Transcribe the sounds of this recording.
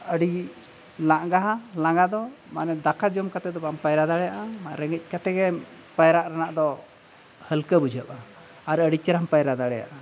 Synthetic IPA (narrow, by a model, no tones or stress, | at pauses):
əɽi | laʔɡaɦalaŋɡad̪ɔmanɛd̪akʰad͡ʒɔmkat̪ɛd̪ɔbaampajɾad̪aɽɛjaʔamaʔɾɛŋɛc̚ˀkat̪ɛɡɛ | pajɾaʔɾanaʔd̪ɔ | həlkəbud͡ʒʱəʔa | aɾəɽit͡ʃɛɾampajɾad̪aɽɛja̰ʔa